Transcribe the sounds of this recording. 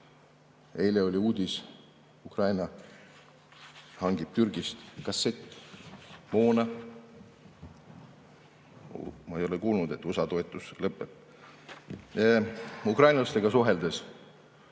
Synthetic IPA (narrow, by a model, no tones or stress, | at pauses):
e̞jleo̞lʲiuːd̪̥ʲis | ukrɑjnɑ | hɑŋɡ̥ib̥̚t̪yrɡ̥ist̪kɑsːet̪ː | moːnɑ | mɑejo̞lekuːlnud̪̥e̞t̪ːˑusɑt̪o̞et̪ːˑuslɤpːˑeb̥̚ | ukrɑjnlɑst̪eɡ̥ɑsuɦe̞ld̪̥es